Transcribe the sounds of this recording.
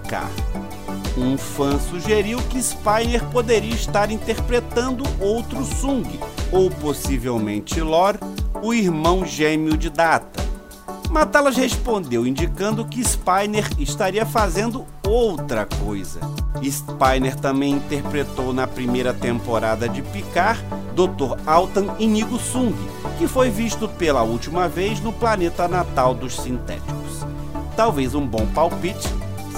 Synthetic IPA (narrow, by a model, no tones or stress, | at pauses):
ka̰ɾ | ũfɐ̃suʒeɾiwkɪːspajneɾpod̪eɾiɐist̪aɾĩt̪eɾpɾet̪ɐ̃nd̪ʊʔowt̪ɾʊsũɡɪowposivewmḛ̃nt͡ʃɪlɔɾʊiɾmɐ̃w̃ʒẽmiʊd͡ʒɪd̪at̪ɐ̰ | mat̪alɐshespõnd̪ewĩnd͡ʒikɐ̃nd̪ʊkɪːspajneɾɪst̪aɾiɐfazẽnd̪ʊ | owt̪ɾɐkojzɐ̰ispajneɾt̪ɐ̃mbẽj̃ĩt̪eɾpɾet̪ownɐpɾimejɾɐt̪ẽmpoɾad̪ɐd͡ʒɪpikaɾd̪owt̪oɾawt̪ɐ̃iniɡʊsũɡḭkɪfojviʃt̪ʊpelɐuwt͡ʃimɐvejznʊplanet̪ɐnat̪awd̪ʊʃsĩnt̪ɛ̰t͡ʃi̥kʊs | t̪awvejzũbõw̃pawpit͡ʃɪ̥